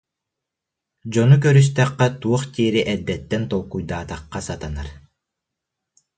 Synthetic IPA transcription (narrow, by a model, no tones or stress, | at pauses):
d͡ʑɔnuk̬œɾys̬t̪ɛqːɛt̪uɔχt̪iːɾiʔɛd̪ːɛt̪ːɛnt̪ɔlˠkujd̪aːt̪aqːasat̪anaɾ